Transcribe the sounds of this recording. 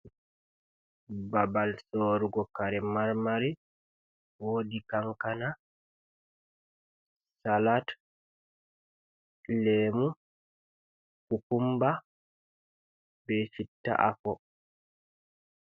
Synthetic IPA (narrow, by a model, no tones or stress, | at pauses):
babalsoːɾuɡɔkaɾɛmaɾmaɾi | woːdikaŋkana | salat | lɛːmu | hukumba | bɛsitːa̰ʔa̰fɔ